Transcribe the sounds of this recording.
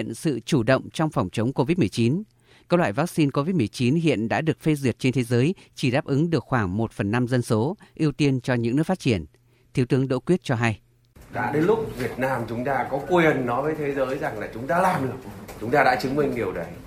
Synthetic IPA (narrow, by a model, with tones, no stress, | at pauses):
ə˨nsɨ̰˧˨t͡ɕu˧˩ɗə̰˧˨wŋ͡mt͡ɕɔ˧wŋ͡mfɔ˨˩wŋ͡mt͡ɕə˨˦wŋ͡mko˧vi˦˥t̚mɨ˨˩ə˩jt͡ɕi˨˦n | kəː˦˧wlwa̰ː˧˨jvaː˦˥k̚si˧nko˧vi˦˥t̚mɨ˨˩ə˩jt͡ɕi˨˦nɦḭ˧˨ənɗa̰ː˧˥ɗɨ˨˩ək̚fe˧zi˨˩ət̚t͡ɕe˧nt̪ʰe˨˦zəː˨˦jt͡ɕi˧˩ɗaː˦˥p̚ʔɨ˨˦ŋɗɨ˨˩ək̚xwaː˧˩ŋmo˨˩t̚fə˨˩nːa˧mzə˧nso˨˦ʔi˧əwt̪i˧ənt͡ɕɔ˧ɲɨ̰˧˥ŋnɨ˦˥əkfaː˦˥t͡ɕi˧˩ən | t̪ʰi˨˦wt̪ɨ˨˦əŋɗo̰˧˥kwət̚t͡ɕɔ˧ɦa˧j | ɗa̰ː˧˥ɗe˨˦nlʊ˦˥k͡p̚vi˨˩ət̚naː˧mt͡ɕʊ˨˦ŋ͡mt̪aː˧kɔ˨˦ku˧jʔə˨˩nːɔ˨˦jvəː˨˦jt̪ʰe˨˦zəː˨˦jza˨˩ŋlaː˨˩t͡ɕʊ˨˦ŋ͡mt̪a̰ː˧˥laː˨˩mɗɨ˨˩ək̚t͡ɕʊ˨˦ŋ͡mt̪aː˧ɗa̰˧˥t͡ɕɨ˨˦ŋmï˧ŋ̟ɗi˨˩əwɗə˨˩j